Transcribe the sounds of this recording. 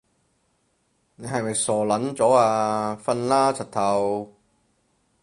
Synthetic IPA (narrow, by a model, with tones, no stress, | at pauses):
ne˨˧jɦɐ˨jmɐ˨jsɔː˨˩lɐ˨˥nt͡sɔː˨˥aː˧fɐ˧nlaː˥t͡sʰɐ˨t̚t̪ʰɐ˨˩w